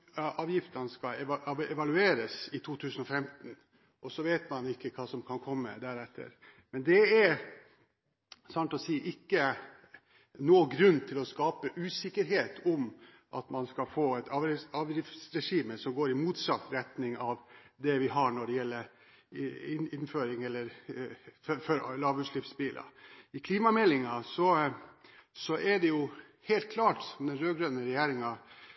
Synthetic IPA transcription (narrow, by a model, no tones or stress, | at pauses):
ʔɑːʋjɪft̪ɑnəskɑɛɛʋɑlʉeːɾəsɪt̪ʰuːt̪ʰʉːsənɔfɛmt̪n | ʔɔsɔʋeːt̪mɑnɪkːəkʰɑːsɔmkʰɑnkʰɔmːə̰d̪æːɾɛt̪ʰːə̰ɾ | mɛnd̪ɛæɾ | sɑnt̪ɔsiːʔɪkːə | noːɡɾʉnːt̪ʰɪlɔskɑːpəʔʉːsɪkːəɾɦeːt̪ʰɔm | ʔɑt̪mɑnskɑlfoːɛt̪ʰɑɑːʋɾɪft̪sɾɛʂiːməsɔmɡoːɾɪmuːt̪sɑt̪ːɾɛt̪nɪŋɑʋ | d̪ɛʋɪɦɑɳɔɖɛjɛlːəɾ | ɪnɪnføːɾɪŋɛlːəɾ | ffɔɾlɑːʋʉʂlɪfsbiːlʔɑ̰ɪkʰliːmɑmɛlːɪŋɑsɔ | sɔʔɛɖɛjʊ | heːlt̪̚kʰlɑːʈɔmd̪ɛnɾøːɡɾœnəɾɛjæːɾɪŋɑ